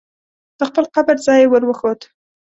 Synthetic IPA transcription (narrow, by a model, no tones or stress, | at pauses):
d̪̥əxpəlqabəɾzɑjewəɾwəxod̪